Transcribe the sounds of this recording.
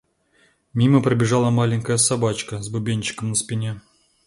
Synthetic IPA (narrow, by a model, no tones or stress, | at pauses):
mʲiməpɾəbʲɪʐɑlˠəmalʲɪŋʲkəjəsabat͡ɕkəzbʊbʲenʲt͡ɕːɪ̥kəmnəspʲɪnʲe